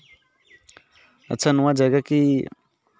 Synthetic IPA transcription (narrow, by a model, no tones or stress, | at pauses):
a̰t͡ʃʰanũwãd͡ʒaɡaki